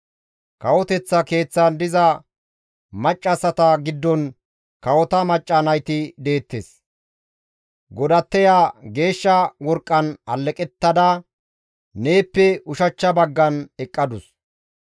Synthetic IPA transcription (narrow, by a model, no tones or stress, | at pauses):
kɐwɔt̪ɛt͡sːɐke̞ːt͡sːɐnd̪ɪzɐ | mɐt͡ʃʼːɐsɐt̪ɐɡɪd̪ːɔn | kɐwɔt̪ɐmɐt͡ʃʼːɐnɐjt̪ɪd̪e̞ːt̪ːes | ɡɔd̪ɐt̪ːɛjaɡe̞ːʃːɐwɔɾkʼːɐnɐlːɛkʼɛt̪ːɐd̪ɐ | ne̞ːpːɛʊʃɐt͡ʃːɐbɐɡːɐnɛkʼːɐd̪ʊs